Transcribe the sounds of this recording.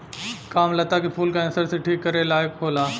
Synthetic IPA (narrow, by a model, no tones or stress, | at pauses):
kaːmlət̪akepʰuːlkaəsəɾseʈʰiːkːəɾelaːjkkʰoːlaː